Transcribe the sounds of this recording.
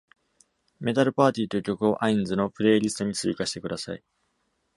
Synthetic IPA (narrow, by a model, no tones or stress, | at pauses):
me̞t̪aɾɯ̟paːt̪ʲiːt̪oɯ̟kʲo̞kɯ̟o̞ʔaĩnd͡zɨno̞pɯ̟ɾe̞ːɾʲisɨ̥t̪o̞ɲ̟it͡sɨikaɕi̥t̪e̞kɯ̟d̪asa̰ḭ